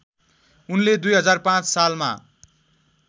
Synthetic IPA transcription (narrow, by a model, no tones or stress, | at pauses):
unled̪ujɦʌd͡zarpãt͡ssalma̰